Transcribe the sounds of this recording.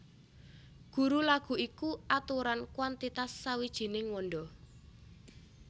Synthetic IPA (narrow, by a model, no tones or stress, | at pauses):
ɡ̥ṳɾulaɡ̥ṳikuʔat̪uɾankwant̪it̪asːawid̥ʒ̥i̤nɪŋwɔnɖɔ